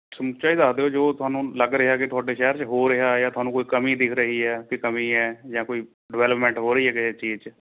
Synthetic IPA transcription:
səmt͡ʃaːiːd̪aːd̪eːoːd͡ʒoːt̪ʊɦaːnũːləɡɾɪɦaːkɪt̪ʊaːɖeːʃɛːɾt͡ʃɦoːɾɪɦaːjãːt̪ʊɦaːnũːkoːiːkəmiːd̪ɪkʰɾəɦiːɦɛːkɪkəmĩːɛːd͡ʒãːkoːiː | ɖɪʋɛːləpmɛ̃ːɳʈɦoːɾəiːɦɛːkɪt͡ʃiːzt͡ʃ

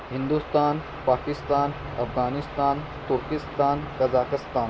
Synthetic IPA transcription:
ɦɪnd̪ust̪aːn | paːkɪst̪aːn | ɐfɡaːnɪst̪aːn | t̪ʊɾkɪst̪aːnkɐzaːkɪst̪aːn

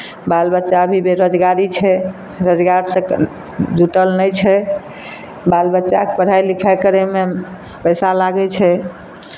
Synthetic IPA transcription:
balbətːʃaəbʱibeɾod͡ʒɡaɾit͡ʃʰɛ | ɾod͡ʒɡaɾsə̃ | d͡ʒuʈəlnəjt͡ʃʰɛ | balbətːʃakepəɽ̤ajlikʰakəɾeme | pəjsalaɡɛt͡ʃʰɛ

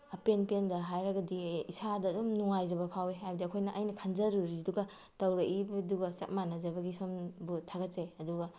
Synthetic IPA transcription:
ɐpenpendɐɦajɾɐɡɐdiisadɐːdumnuŋajzɐbɐpʰaweɦajbɐdiɐkʰojnɐʔɐjnɐkʰanzɐɾuɾiduɡɐ | tɐwɾɐʔibɐduɡɐsɐ̰t̚manɐzɐbɐɡisombutʰaɡɐt̚seɐduɡɐ

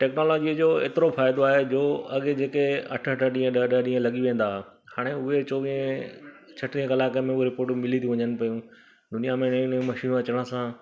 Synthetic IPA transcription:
ʈɛːknoːlɔːd͡ʑiːd͡ʑoːḛːt̪ɪɾofaːɪd̪oaːɦed͡ʑoːɐɠd͡ʑeːkeɐ̰ʈʰɐʈʰəɗĩːə̃ɗəɗəɗĩːə̃lɐɠiʋẽːn̆d̪aːɦ | haːɽ̃eʊɦet͡ɕoːʋĩə̃ | t͡ɕʰɐʈɾiːə̃kɐlaːkemẽʊoɾɪpoːɾʈmɪlit̪ʰiʋɐɲənɪ̆pɐjũ | d̪ʊnijamẽnɪnmɐʃiːnũɐt͡ɕəɽ̃ə̆sã

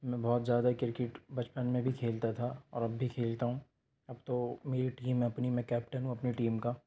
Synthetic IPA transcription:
mɛ̃ːbɔːt̪zjaːd̪akɪɾkeʈbɐt͡ʃpənmẽbʱikʰeːlt̪at̪ʰaɔːɾɐbːʱikʰeːlt̪aɦũ | ɐbt̪omeːɾiʈiːmẽɐpnimɛ̃kɛːp̚ʈənɦũɐpniʈiːmka

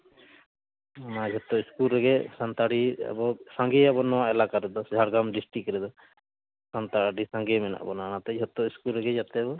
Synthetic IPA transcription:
nad͡ʒʱɔt̪ːɔiskulɾɛɡɛsant̪aɖiɛ̰bɔsaŋɡɛabɔnɔwaʔɛlakaɾɛd̪ɔd͡ʒʱaɽɡamɖisʈikɾɛd̪ɔ | sant̪aɖisãŋɡɛmɛna̰ʔbɔnanat̪ɛd͡ʒʱɔt̪ːɔiskulɾɛɡɛd͡ʒat̪ɛbɔ

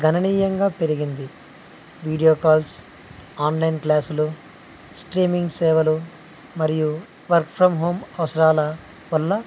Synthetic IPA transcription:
ɡʱɐnɐniːjɐŋɡaːpe̞ɾiɡind̪i | ʋiːɽijoːkaːls | aːnlɐjnklaːsulu | sʈɾiːmiŋɡseːʋɐlu | mɐɾiju | ʋɐɾkpʰɾɐmɦo̞ːmɐʋɐsɐɾaːlɐ | ʋɐlːɐ

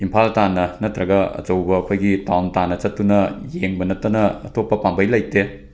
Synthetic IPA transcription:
impʰaltanːɐnɐtɾɐɡɐɐ̰t͡ʃɐwbɐːkʰojɡitawntanːɐt͡ʃɐtːunɐjeŋbɐnɐtːɐnɐ̰ːtʰopːɐpambɐjlɐjte

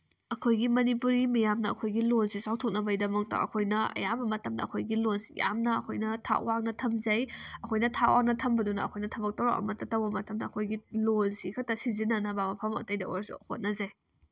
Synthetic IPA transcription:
ɐkʰojɡimɐnipuɾimijamnɐɐ̰kʰojɡilonsisawtʰok̚nɐbɐjdɐmɐk̚tɐ̰ʔɐ̰kʰojnɐɐ̰jabɐmɐtɐmdɐ̰ːkʰojɡilonsja̰mnɐːkʰojnɐtʰa̰ʔwaŋ̚nɐtʰɐmzɐjɐkʰojnɐtʰa̰waŋ̚nɐtʰɐmbɐdunɐ̰ːkʰojnɐtʰɐbɐk̚tɐwɾoʔɐ̰mɐtːɐtɐwbɐmɐtɐmdɐːkʰojɡilozsikʰɐtɐsizinɐnɐbamɐpʰɐmɐ̰tɐjdɐoɾsṵhot̚nɐzaj

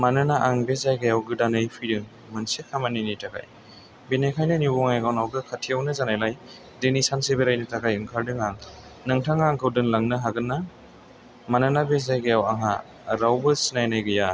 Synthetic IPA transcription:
manɯnaʔaŋbezajɡajawɡɯdanɯjpʰɯɾɯŋ | mɯnsekʰamaninijtʰakʰa̰j | benekʰajnɯnibɔŋajɡawnawɡɯkʰatʰijawnɯzanajlaj | denisansebeɾajnɯtʰakʰajɯŋkʰaɾdɯŋaŋ | nɯŋtʰaŋaŋkʰɯwdɯnlaŋnɯɦaɡɯnːa | manɯnabezajɡajawaŋɦa | ɾawbɯsinajnajɡɯja

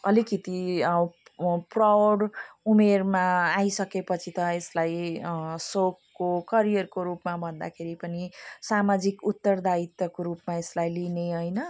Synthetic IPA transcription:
ʌ̰likit̪i | prawɖumermaːjsʌkepʌt͡sʰit̪ʌeslaj | sokːokʌɾijʌrkoɾupmabʱʌnd̪a̰kʰeɾipʌnisamad͡zikut̪ːʌrd̪ait̪ʌkoɾupmaeslajlineʌjnʌ

